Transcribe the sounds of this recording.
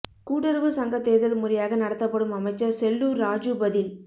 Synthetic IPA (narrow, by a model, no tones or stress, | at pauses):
kuːʈːɐɾʋɯsɐŋɡɐt̪ːeːðɐlmʊɾɪjaːɣɐnɐɽɐt̪ːɐpːɐɽɯmɐmɐɪt͡ʃːɐɾsɛlːuːɾɾaːd͡ʒɯbɐðɪl